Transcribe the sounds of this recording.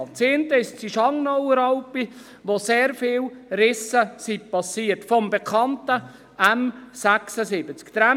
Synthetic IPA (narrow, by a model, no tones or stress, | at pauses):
t͡sent̪əɪʃt͡siʃɑŋnɔwɾɑʊpi | ʋoseːɾfɪːlɾɪsəsipʰɑsiːəɾtfɔmbɛkʰɑntə | æmsæksəsɪbət͡skt̪ɾæ